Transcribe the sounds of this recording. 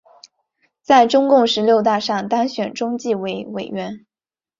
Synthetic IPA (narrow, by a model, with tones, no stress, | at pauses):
t͡sa˥˩ɪʈ͡ʂʊ˥ŋkʊ˥˩ŋʂɻ̩˧˥ljo˥˧ʊt̪a˥˧ʂɑ˥˩ŋt̪ɑ˥ŋɕɥɛ˨˩nʈ͡ʂʊ˥ŋt͡ɕi˥˩we˧˥ɪwe˨˩ɪɥɛ˧˥n